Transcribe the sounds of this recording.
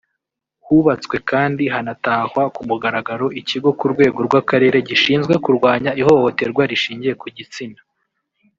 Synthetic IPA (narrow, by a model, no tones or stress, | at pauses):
huβat͡swe̞kaːndiɦanataːhwakumuɡaɾaɡaɾo̞ʔiciɡo̞kuɾɡwe̞ːɡo̞ɾɡwakaɾe̞ːɾe̞ɟiʃiːnzɡwe̞kuɾɡwaːɲaiho̞hote̞ɾɡwaɾiʃiːɲɟije̞kuɟit͡sina